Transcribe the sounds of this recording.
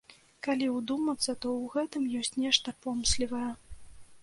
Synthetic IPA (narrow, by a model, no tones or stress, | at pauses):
kalʲiwd̪umɐt̪sɐt̪ɔwɣɛt̪ɨmjɔsʲt͡sʲnʲɛʂt̪ɐpɔmslʲivɐjɛ